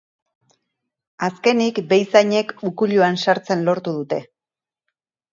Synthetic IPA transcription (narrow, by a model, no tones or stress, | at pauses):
aske̞nikbe̞jsaɲe̞kukuʎuansaɾt͡se̞nlo̞ɾt̪uðut̪e̞